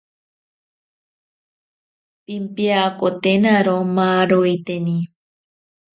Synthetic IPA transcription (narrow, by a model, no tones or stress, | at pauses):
pimpjakot̪enaɾomaɾoit̪eni